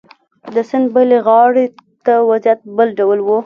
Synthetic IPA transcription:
d̪əsɪnbəleɣɑɽet̪awazjat̪̚bəlɖawəlwu

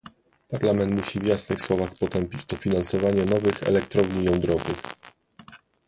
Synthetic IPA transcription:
paɾlamɛnt̪muɕivjasnɘxswɔvaxpɔt̪ɛmpʲit͡ɕt̪ɔfʲinansɔvaɲɛnɔvɘxɛ̰lɛkt̪ɾɔvɲijɔnd̪ɾɔvɘx

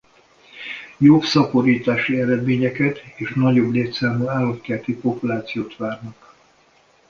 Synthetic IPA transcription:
jobsɒko̞ɾiːt̪aːʃiɛɾɛd̪meːɲɛkɛt̪eːʃnɒɟo̞bleːt̪saːmuaːlot̪kɛrt̪ipo̞pulaːt̪sijoːt̪ʋaːrnɒk

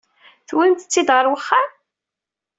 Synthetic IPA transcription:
θwənt̪ə̥t͡sːid̪ʁəɾwəχːa

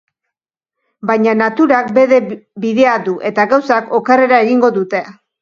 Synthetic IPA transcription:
bajɲanat̪uɾakbe̞ðebiðe̞aðuʔe̞t̪aɣawsako̞kare̞ɾae̞ɣiŋɡo̞ðut̪e̞

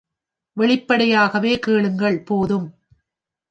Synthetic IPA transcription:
ʋɛɭɪpːɐɽɐjaːɣɐʋeːkeːɭɯŋɡɐɭpoːðɯm

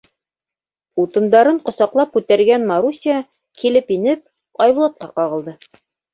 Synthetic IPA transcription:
ut̪ɤ̆nd̪ɑɾɤɴqŏsɑqlˠɑp̚kʉt̪æɾɡænmaɾusʲia | kilɘpinɘp̚ | ɑjɤ̆lˠɑt̪̚qɑqɑʁɤ̆lˠd̪ɤ

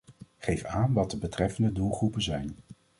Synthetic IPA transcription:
χejfaːnʋɑtdəbətrɛfəndədulˠχrupənzɛjn

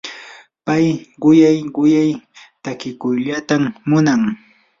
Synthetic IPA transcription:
pajɢʊjajɢʊjajt̪akɪkʊjʎat̪amːʊnaŋ

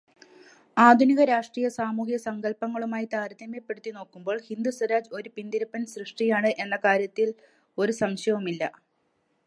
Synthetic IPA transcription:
aːd̪ʱuniɣɐɾaːʂʈriːjɐsaːmuːɦijɐsɐŋɡɐɭpɐŋːɐɭumaːjit̪aːɾɐd̪ɐmepːe̞ɽut̪ːino̞ːkːumbo̞ːɭhind̪usɐɾaːd͡ʑo̞ɾupind̪iɾɐpːɐnsrɨʂʈijaːɳɨʔe̞nːɐkaːɾjɐt̪ːil | o̞ɾusɐŋʂɐʋumilːɐ

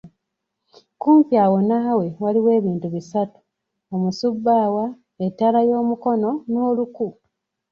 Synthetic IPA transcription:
kuːmpjaːwo̞nawe̞waliwe̞ːβiːntuβisatu̥ | omusubːaːwa | etːalajo̞ːmuko̞no̞noːluku

